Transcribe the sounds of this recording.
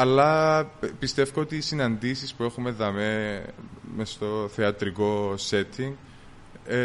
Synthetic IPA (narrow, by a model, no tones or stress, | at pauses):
ɐlːɐpist̪e̞fkoot̪iːsinɐnd̪isispue̞xume̞ðɐme | mest̪o̞θeɐt̪ɾiko̞se̞t̪ʰːiŋ